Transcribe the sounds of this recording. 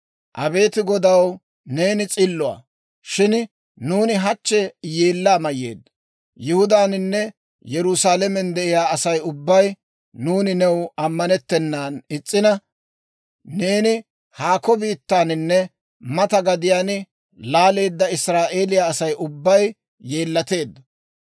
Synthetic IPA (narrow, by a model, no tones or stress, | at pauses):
ʔɐbe̞ːt̪ɪɡɔd̪ɐw | ne̞ːnɪt͡sʼɪlːɔa̰ː | ʃɪn | nuːnɪɦɐt͡ʃːɛjeːlːaːmɐjːḛːd̪ːɐ | jɪhʊd̪aːnɪnːɛ | jɛɾʊsaːlɛmɛnd̪ɛʔɪjaːɐsɐjʊbːɐj | nuːnɪnɛwɐmːɐnɛt̪ːɛnːaːnɪt͡sʼːɪnɐ | ne̞ːnɪ | haːkɔbiːt̪ːaːnɪnːɛ | mɐt̪ɐɡɐd̪ɪjaːn | laːle̞ːd̪ːɐɪsɾaːʔe̞ːlɪjaːsɐjʊbːɐj | je̞ːlːɐt̪e̞ːd̪ːɐ